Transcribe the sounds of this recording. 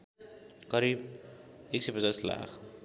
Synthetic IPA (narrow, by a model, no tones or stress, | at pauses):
kʌɾib | eksejpʌd͡zasla̰kʰ